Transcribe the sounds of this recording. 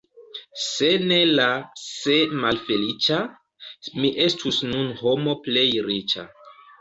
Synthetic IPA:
se̞ne̞lasemalfe̞lit͡ʃa | miʔe̞stʰusnunho̞mo̞ple̞jɾit͡ʃa̰

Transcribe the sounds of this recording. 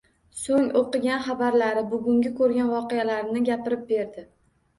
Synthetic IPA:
soŋoqɨɡʲanχɑbaɾlaɾɪbʊɡʲʊŋɡʲɪkʰɵɾɡʲanvɒqejalaɾnɪɡʲapɪɾɪp̚be̞ɾd̪ɪ

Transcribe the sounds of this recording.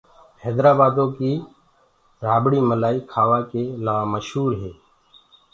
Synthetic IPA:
hɛːd̪ɾaːbaːd̪õːkiː | ɾaːbɽiːməlaːiːkʰaːʋaːkeːlaːməʃɦuːɾɦeː

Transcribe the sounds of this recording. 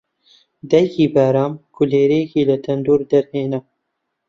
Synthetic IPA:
d̪ɛjkiːbaːɾɑːmkʰʊleːɾeːkiːlɐt̪ʰɐnd̪uːɾd̪ɐɾheːnɛ

